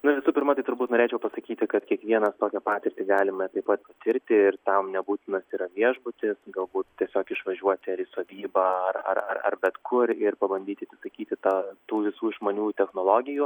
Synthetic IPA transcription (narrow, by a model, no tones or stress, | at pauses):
nʊʋʲɪsuːpʲɪɾmɐt̪ɐɪt̪ʊɾbuːtnoɔɾʲeːt͡ʃʲɛʊpɐsɐkʲiːt̪ʲɪkɐt̪kʲiɛkʋʲiɛnɐst̪oːkʲɛpɑːt̪ʲɪɾʲt̪ʲɪːɡɑːlʲɪmɐt̪ɐɪpɐt̪pɐt̪ʲɪɾʲt̪ʲɪɪrt̪ɐmnʲɛbuːt̪ʲɪnɐsiːɾɐʋʲiɛʒbʊt̪ʲɪsɡɐlˠbuːt̪t̪ʲiɛsʲoːkɪʃʋɐʒʲuɔt̪ʲɪɐɾɪsoːʋʲiːbɐːɐrɐ̰rɐ̰rɐ̰rbʲɛt̪kʰʊɾɪɾpɐbɐnʲdʲiːt̪ʲɪɐt̪ʲɪsɐkʲiːt̪ʲɪt̪ɑt̪uːʋʲɪsuːʒmoːnʲuːt̪ʲɛxnoːlˠoːɡʲɪjuː